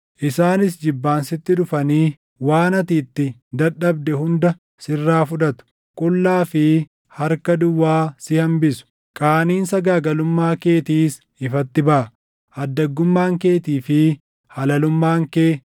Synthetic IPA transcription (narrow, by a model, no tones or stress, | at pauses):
ʔɪsaːnɪsd͡ʒɪbːaːnsɪt̪ːɪᶑʊfɐniː | waːnɐt̪iːt̪ːɪd̪ɐᶑɐbd̪ɛhʊnd̪ɐ | sɪrːaːfʊᶑɐt̪ʊ̥ | kʼʊlːaːfɪ | hɐɾkɐd̪ʊwːaːsɪhɐmbɪsʊ̥ | kʼaːniːnsɐɡaːɡɐlʊmːaːke̞ːt̪iːs | ɪfɐt̪ːɪbɐʔɐ | ʔɐd̪ːɐɡːʊmːaːŋkeːt̪iːfɪ | hɐlɐlʊmːaːŋkeː